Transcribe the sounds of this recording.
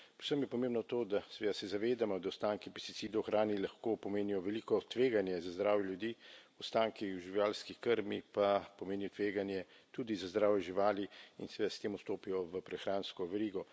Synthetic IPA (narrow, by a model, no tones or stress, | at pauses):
pwsəmjɛpɔmẽːmbnɔt̪oːd̪asɛʋeːd̪asɛzaʋeːd̪amɔd̪awst̪aːŋkipɛst̪i̥tsiːd̪ɔwxɾʔaːnilaxkoːpɔmeːnijɔʋɛlikɔt̪ʋeːɡanjɛzazd̪ɾaːwjɛljud̪iːɔst̪aːŋkiwʒiʋjaːlskikəɾmipapɔmeːnijɔt̪ʋeːɡanjɛ | t̪uːd̪izazd̪ɾaːwjɛʒiʋaːliinsɛʋed̪ast̪eːmust̪oːpijɔʋəpɾɛxɾaːnskɔʋɛɾiːɡɔ